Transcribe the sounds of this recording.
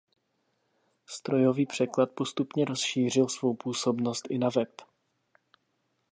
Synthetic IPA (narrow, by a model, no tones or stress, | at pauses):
st̪ɾo̞jo̞viːpr̝̥ɛklat̪̚po̞st̪upɲɛɾo̞sʃiːr̝ɪlsvo̞wpuːso̞bno̞st̪ʔɪnavɛp